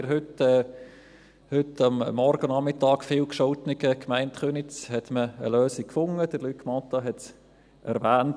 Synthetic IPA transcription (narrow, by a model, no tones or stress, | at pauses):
ɪɾɦʏtɛ | hʏtɑmːɔɾɡənɑmɪtɑːkfiːlkʃɔltnɪɡ̥əkmaɪntχønɪt͡shɛtməəløːsikkfʊŋəd̥əɾlykʰmɑtɑɦɛt | ʔɛ̰ɾvæːnt